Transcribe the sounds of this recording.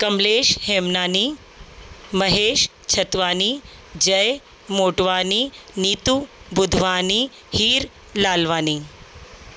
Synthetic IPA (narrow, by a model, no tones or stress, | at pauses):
kɐmleːʃheːmnaːni | mɐɦeːʃ | t͡ʃʰɐt̪ʋaːni | d͡ʒɐj | moːʈʋaːniniːt̪ubʊd̪ʱʋaːni | hiːɾ | laːlʋaːni